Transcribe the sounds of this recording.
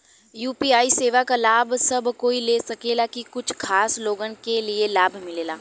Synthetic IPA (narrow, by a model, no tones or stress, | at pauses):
juːpiːaːiseːʋakalaːbʱsɐbkoːileːsɐkeːlakikʊt͡ʃʰkʰaːsloːɡənkelielaːbʱmɪleːlaː